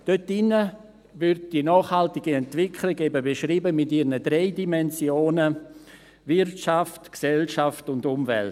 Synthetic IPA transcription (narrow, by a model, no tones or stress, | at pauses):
d̥øtːɪnːə | vʏrd̚d̥inɔːχhaltɪɡiɛntvɪkʰlɪɡebəbeʃriːbəmɪtiɾnədɾeɪdimɛnsjoːnə | vɪɾtʃaftksɛlʃaftʊndʊmvɛ̰lt